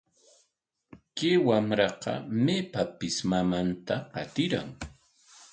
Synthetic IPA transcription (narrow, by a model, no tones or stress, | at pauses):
kewamɾɑqɑ̰meːpapɪsmamant̪aqɑt̪ɪɾa̰ŋ